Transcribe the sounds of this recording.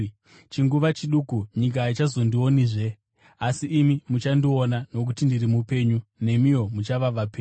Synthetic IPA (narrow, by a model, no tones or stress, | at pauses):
t͡ʃiŋɡuʋat͡ʃiɗukuɲik̬ait͡ʃazo̞ndio̞niʐe̞ | asiʔːmimut͡ʃandionano̞k̬utindirimupe̞ːɲune̞mijo̞mut͡ʃaʋaʋapeːɲ